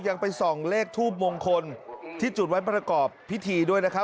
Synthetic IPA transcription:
ja˧ŋpa˧jsɔː˩˦ŋleː˥˩k̚t̪ʰuː˥˩p̚moː˧ŋkʰo˧nt̪ʰiː˥˩t͡ɕu˨˩t̪̚wa˦˥pɾa˧kɔː˨˩pʰːi˦˥t̪ʰiː˧du˥˩əjna˦˥kʰa˦˥

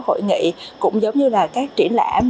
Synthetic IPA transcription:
who̰˧˨jŋḭ˧˨kʊ̰˧˥ŋ͡mzə˨˦wŋ͡mɲɨ˧laː˨˩kaː˦˥k̚t͡ɕi˧˩ənla̰ː˧˩˥m

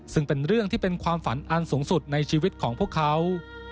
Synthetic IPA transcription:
sɯ˥˩ŋpe˧nɾɯ˥˩əŋt̪ʰiː˥˩pe˧nkʰwaː˧mfa˨˩˦nʔa˧nsuː˩˦ŋsu˨˩t̪̚na˧jt͡ɕʰiː˧wi˦˥t̪̚kʰɔː˩˦ŋpʰu˥˩kʰːa˦˥w

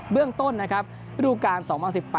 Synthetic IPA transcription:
bɯ˥˩əŋt̪o˥˩nːa˦˥kʰa˦˥p̚ | ɾuː˥˩kaː˧nsɔː˩˦ŋpʰaː˧nsi˨˩pːɛː˨˩

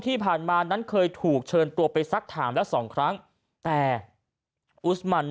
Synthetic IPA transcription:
t̪ʰiː˥˩pʰaː˨˩nmaː˧na˦˥nkʰɤː˧jt̪ʰuː˨˩k̚t͡ɕʰɤː˧nt̪u˧ɐpa˧jsa˦˥k̚t̪ʰaː˩˦mlɛ˦˥wsɔː˩˦ŋkʰɾa˦˥ŋ | t̪ɛː˨˩ | ʔu˦˥tma˨˩nː

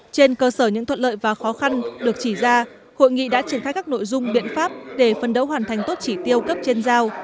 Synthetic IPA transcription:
t͡ɕe˧nkəː˧səː˧˩ɲɨ̰˧˥t̪ʰə̰˧˨tlə̰ː˧˨jvaː˨˩xɔ˨˦xa˧nɗɨ˨˩ək̚t͡ɕi˧˩zaː˧ | ho̰˧˨jŋḭ˧˨ɗa̰ː˧˥t͡ɕi˧˩nxaː˦˥jkaː˦˥k̚no̰˧˨jzʊ˧ŋ͡mɓḭ˧˨ənfaː˦˥p̚ɗe˧˩fə˨˩nɗə̰˧˥wɦwaː˨˩nt̪ʰa˨˩jŋ̟t̪o˦˥t̚t͡ɕi˧˩t̪i˧əwkə˦˥p̚t͡ɕe˧nzaː˧w

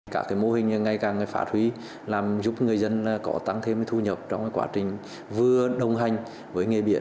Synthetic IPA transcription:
kaː˧˥kːaː˨˦jmo˧hï˨˩ŋ̟˨ŋa˧˩jkaː˨˩ŋa˨˩jfa̰ː˧˩t̚hwi˨˦ | laː˨˩mzu˨˦˥p̚ŋɨ˨˩əjzə˧nkɔ˨˦t̪a˧ŋt̪ʰe˧mː˨˦t̪ʰu˧ɲə˨˩p̚t͡ɕɔ˧wŋ͡mkaː˨˦jkwa̰ː˨˦˥t͡ɕï˨˩ŋ̟ | vɨ˧əɗə˨˩wŋ͡mɦa˨˩jŋ̟ | vəː˨˦jŋe˨˩ɓḭ˧˨ən

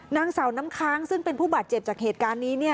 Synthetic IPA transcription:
naː˧ŋsa˨˩˦wnaː˦˥mkʰaː˦˥ŋsɯ˥˩ŋpe˧npʰuː˥˩baː˨˩t̪̚t͡ɕe˨˩p̚t͡ɕaː˨˩k̚heː˨˩t̪̚kaː˧nːiː˦˥ni˥˩ɐ

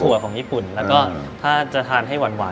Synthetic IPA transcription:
kʰu˨˩˦ɐkʰɔː˩˦ŋjiː˥˩pu˨˩nlɛː˦˥wkɔː˥˩t̪ʰaː˥˩t͡ɕa˨˩t̪ʰaː˧nɦa˥˩jwa˧nwaː˨˩˦

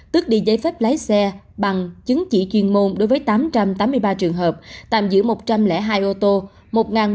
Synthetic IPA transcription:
t̪ɨ˦˥ək̚ɗi˧zə˨˦jfɛ˦˥p̚la˨˦jsɛ˧ | ɓa˨˩ŋt͡ɕɨ˨˦ŋt͡ɕḭ˧˩t͡ɕwi˧ənmo˧nɗo˨˦jvːjt̪aː˨˦mt͡ɕa˧mt̪aː˨˦mːɨ˧əjɓaː˧t͡ɕɨ˨˩əŋɦəː˨˩p̚t̪a̰ː˧˨˩mzɨ̰˧˥əmo˨˩t̚t͡ɕa˧mlɛ̰˧˥ɦaː˧jʔo˧t̪o˧ | mo˨˩t̚ŋaː˨˩n

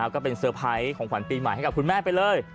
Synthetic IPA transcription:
wkɔː˥˩pe˧nsɤː˧pʰa˦˥jkʰɔː˩˦ŋkʰwa˨˩˦nt̪iː˧ma̰˨˩˦jha˥˩ka˨˩p̚ku˧nmaː˥˩pa˧jlɤː˧j

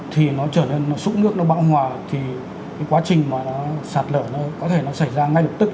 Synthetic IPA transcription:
t̪ʰi˨˩nɔ˨˦t͡ɕəː˧˩ne˧nːɔ˨˦sṵ˧˥nɨ˦˥ək̚nɔ˨˦ɓa̰ː˧˥wɦwaː˨˩t̪ʰi˨˩ | kaː˨˦jkwaː˨˦t͡ɕï˨˩ŋ̟maː˨˩nɔ˨˦saː˨˩t̚ləː˧˩nɔ˨˦kɔ˨˦t̪ʰe˧˩nɔ˨˦sa˧˩jzaː˧ŋa˧jlə˨˩p̚t̪ɨ˦˥k̚

